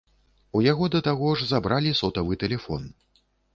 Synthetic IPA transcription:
ujaɣɔd̪ɐt̪aɣɔʐzabɾalʲisɔt̪ɐvɨt̪ɛlʲɛfɔ̰n

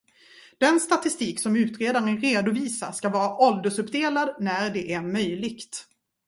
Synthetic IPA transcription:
d̪̥ɛnst̪at̪ɪst̪iːksɔmʉ̟ːt̪ɾeːd̪aɾənɾeːd̪ʊviːsa̰ʂkavɑːɾaʔɔld̪əʂɵpd̪eːlad̪næɾɖɛʔæɾmœjlɪɡt̪

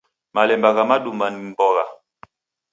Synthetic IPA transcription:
malɛmbaɣamaɗumanimbɔɣa̰

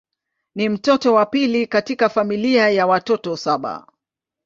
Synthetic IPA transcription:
nim̩tɔtɔwapilikatikafamiliajawatɔtɔsaɓa̰

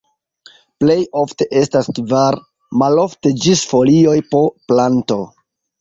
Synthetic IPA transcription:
ple̞jo̞fte̞ʔe̞staskvaɾ | malo̞fte̞d͡ʒisfo̞lio̞jpo̞planto̞

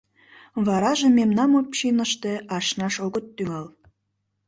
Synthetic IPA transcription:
βɑɾɑʒememnɑmopɕinə̆ʃt̪eɑʃnɑʃoɣə̆t̪ːyŋɑl

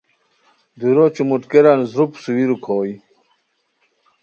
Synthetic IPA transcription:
d̪uɾot͡ɕumuʈkeɾanzɾupsuwiɾukʰoːj

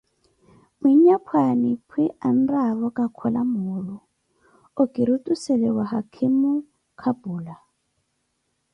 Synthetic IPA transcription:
miɲɲapʰwanipʰwiʔan̩raβɔkʼakʰɔlamuːlɔ | okʼiɾutʼusɛlɛwahakʰimu | kʰabuːla

